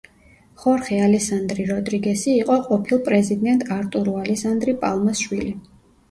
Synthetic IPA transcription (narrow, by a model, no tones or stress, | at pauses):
χɔɾχɛalɛksand̪ɾiɾɔd̪ɾiɡɛsiːqʼɔqʼɔpʰilˠpʼɾɛzid̪ɛnt̪ʼaɾt̪ʼuɾualɛsand̪ɾipʼalˠmasʃwili